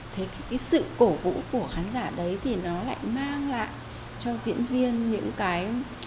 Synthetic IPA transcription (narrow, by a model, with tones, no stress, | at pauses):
t̪ʰe˨˦ka˨˦kaː˨˦jsɨ̰˧˨ko˧˩vṵ˧˥ku˧˩əxaː˨˦nzaː˧˩ɗə˨˦jt̪ʰi˨˩nɔ˨˦la̰ː˧˨jmaː˧ŋla̰ː˧˨j | t͡ɕɔ˧zḭ˧˥ənvi˧ənɲɨ̰˧˥ŋkaː˨˦j